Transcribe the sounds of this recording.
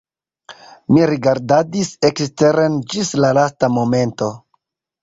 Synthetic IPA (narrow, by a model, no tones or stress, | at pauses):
miɾiɡaɾdadisekste̞ɾend͡ʒislalastamo̞me̞nto̞